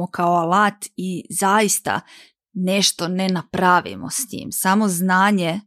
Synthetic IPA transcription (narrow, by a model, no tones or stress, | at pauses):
okaoalaːt̪izajist̪a̰ | ne̞ʃt̪o̞nenapɾaʋḭmo̰sɲḭːmsamo̞znaːɲe